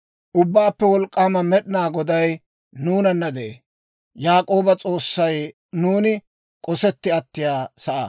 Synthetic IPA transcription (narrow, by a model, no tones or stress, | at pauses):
ʔʊbːaːpːɛwɔlkʼːaːmɐmɛɗɪnaːɡɔd̪ɐj | nuːnɐnːɐd̪ɛḛ | jaːkʼo̞ːbɐt͡sʼo̞ːsːɐj | nuːnɪ | kʼɔsɛt̪ːɪɐt̪ːɪjaːsɐʔɐ